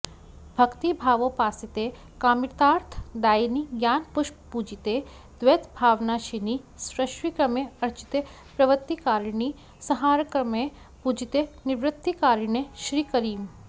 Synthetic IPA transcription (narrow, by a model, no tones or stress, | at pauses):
bʱɐkt̪ibʱaːʋopaːsit̪e | kaːmɪɾt̪aːɾt̪ʰd̪aːiniɡjaːnpʊʃppud͡ʒit̪e | d̪̥ʋet̪bʱaːʋnaʃinisɾɐʃʋikɾɐmeɐɾt͡ʃi̥t̪e | pɾɐʋət̪ːikaːɾni | sɐɦaːɾkɾɐme | pud͡ʒit̪enɪʋɾɪt̪ːikaːɾɳeʃɾiːkɐɾiːm